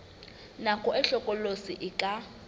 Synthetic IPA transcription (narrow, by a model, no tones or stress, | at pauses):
nakʰʼɔɛɬɔkʼɔlosiʔɪkʼa